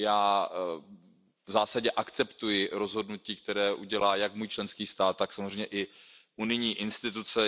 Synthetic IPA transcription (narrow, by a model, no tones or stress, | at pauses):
jaː | vzaːsaɟɛʔakt͡sɛpt̪ujɪɾo̞zɦo̞dnuciːk̚t̪ɛɾɛːʔuɟɛlaːjakmuːjt͡ʃlɛnskiːst̪aːt̪ːaksamozrejmɲɛʔɪʔunɪjɲiːʔɪnst̪ɪt̪ut͡sɛ